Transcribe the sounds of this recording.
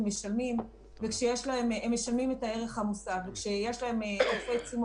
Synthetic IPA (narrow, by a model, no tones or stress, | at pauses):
meʃalmim | vekʃejeʃlaememːeʃalmime̞tae̞ʁe̞χhamosaɡvekʃejeʃlahe̞meofet͡sim